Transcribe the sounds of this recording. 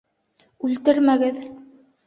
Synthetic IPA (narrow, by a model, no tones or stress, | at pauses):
ʉlt̪ɘɾmæɡɘð